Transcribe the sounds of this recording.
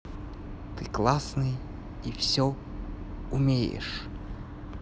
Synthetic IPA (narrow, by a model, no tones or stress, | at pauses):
t̪ɨklˠasnɨj | ifsʲɔ | ʊmʲejɪ̰ʂ